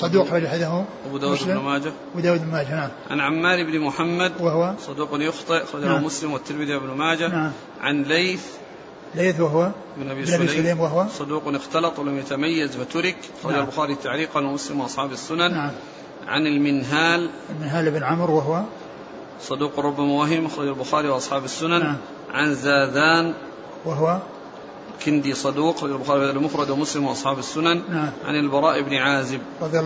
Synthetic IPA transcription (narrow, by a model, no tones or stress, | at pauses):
sˤɑd̪uːkxɑɾˤɑd͡ʒaħɪðaɦʊmʔabud̪aːwuːlnmaːd͡ʒa | bud̪aːwuːd̪bnmaːd͡ʒanaʕmʕa̰nʕamːaːlʔɪbnimʊħamːad̪wahwasˤɑd̪uːqnjʊxt̪ˤɨʔɑxɑɾˤɑd͡ʒamʊslɪmwɪt̪ːɪɾmɪðiwabnʊmaːd͡ʒanaʕm | ʕa̰nlejθ | lejθwaɦwaʔɪbnʔabiːlaːlaːmwaɦwasˤɑd̪uːqnɪxt̪ɑlɑt̪ˤwlamjat̪amajːazfat̪ʊɾɪkʔɑxˤɑd͡ʒalbʊxaːɾit̪aʕliːqanmʊslɪmwɪʔɑsˤħɑːbasːʊnannaʕm | ʕa̰nalmɪnɦaːl | lmɪnɦaːlɪbnʕʊmɾwaɦwa | sˤɑd̪uːqɾˤʊbːamawaɦɪmʔaxɾˤɑd͡ʒalbʊxaːɾiwʔɑsˤħɑːbasːʊnan | ʕanzaːd̪aːn | waɦwa | kɪnd̪isˤɑd̪uːqɾˤɑd͡ʒalbʊxaːɾialmʊxɾˤɑd̪wmʊslɪmwɪʔɑsˤħɑːbasːʊnannaʕa̰nalbɑɾˤɑːʔɪbnʕaːzɪb̚ˤ | ɑðj